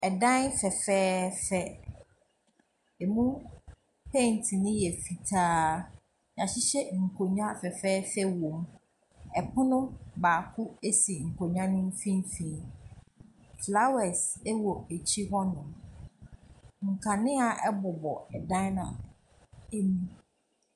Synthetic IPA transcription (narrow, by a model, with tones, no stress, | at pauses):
ɛ˨dã˦nfɛ˨fɛː˦fɛ˦ | e˨mũ˦ | pʰẽ˦˨n˨tʰɪ˨nɪ̃˦jɛ˨fi˨tʰaː˦ | ɲ˨ã˨ɕɪ˦ɕɛ˦ŋ̩˨kʰo˨ɲᶣ˦ã˦fɛ˨fɛː˦fɛ˦wõ˨m˦ | ɛ˨pʰʊ̃˦nʊ̃˦baː˨kʰʊ˦e˦si˨ŋ̩˨kʰo˨ɲᶣ˦ã˦nɪ̃˦m̩˦fĩ˦m˦fĩ˨˦n | fla˦wɛ˨sɛ˦wɔ˨e˨t͡ɕʰi˦hɔ˦nʊ̃˨m | ŋ̩˨kʰa˨nɪ̃˦a˨ʔɛ˦bʊ˨bɔ˨ɛ˨dã˦nã̰˨ | e˦nũ˦